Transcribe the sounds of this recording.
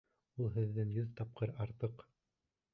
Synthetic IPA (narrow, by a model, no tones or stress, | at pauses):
ulˠɦɘ̆ðːɘŋjɵðt̪ɑp̚qɤɾɑɾt̪ɤq